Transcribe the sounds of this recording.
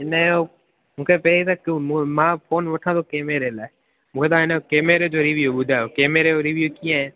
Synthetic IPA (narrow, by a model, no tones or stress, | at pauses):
ɪnao | mũːkʰepɛlit̪akːmãːfʰoːnʋəʈʰãːd̪oːkeːmeːɾeːlaːe | mũːkʰeːt̪ãɪnokeːmeːɾed͡ʒoːɾɪʋjuɓʊd̪ʱaːokeːmeːɾeoɾɪʋjukiːãːẽː